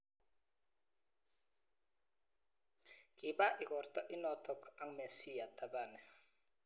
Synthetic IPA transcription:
ki˨ba˦ʔɪ˨ɡɔ˨ɾt̪ɔ˦ʔɪ˦nɔ˨t̪ɔ˨ka˦ŋmɛ˨si˦ja˨t̪ʰa˨ba˦˨nɛ˨

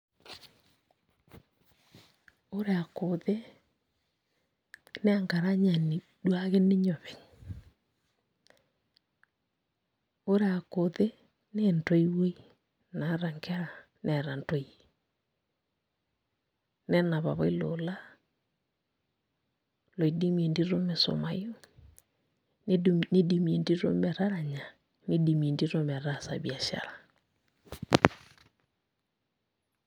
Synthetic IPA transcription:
o˦ɾea˨ko˨ðe˦ | ne˦a˨ŋɡa˨ɾa˦ɲa˨ni˨ | dwa˦ɣe˦ne˦ɲɔ˨βe˨ɲ | o˦ɾe˦a˨ko˨ðe˦ | nento˦i˦we˦ | na˨ɾa˨ŋke˦ɾa˨ | nʔɛ˨ɾa˨ntɔ˦i˨e˨ | nɛ˦na˨βa̰˨βɔ˦i˦lo˨la˦ | lo˨i˨di˦mie˨ndi˦ɾo˦me˨so̰˨ma˨jo˦ | ne˦di˨mi˨e˨ndi˦ɾo̰˦mɛ˨ɾa˦ɾa˨ɲa˨ | ni˦di˨mie˨ndi˦ɾo˦mɛ˨ɾa˦˨sa̰˨βi˨a˨ʃa̰˨la˨

